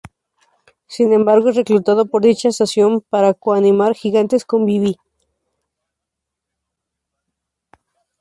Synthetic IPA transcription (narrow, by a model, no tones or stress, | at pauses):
sinembaɾɣoreklut̪aðopoɾðit͡ʃasasjompaɾakoanimaɾxiɣant̪eskombiβi